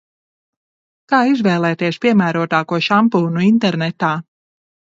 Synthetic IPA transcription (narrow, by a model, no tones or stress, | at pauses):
kaːizvɛːlˠɛːt̪eɛʃpʲiɛmæːɾuɔt̪aːkuɔʃampuːnuint̪ɛɾnɛt̪aː